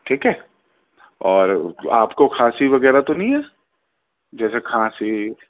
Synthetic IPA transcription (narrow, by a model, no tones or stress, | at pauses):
ʈʰiːkɦɛː | ɔːɾa̰ːpkokʰaːsiʋɐɡɛːɾat̪onɐɦĩɦɛː | d͡ʒɛːsekʰaːsi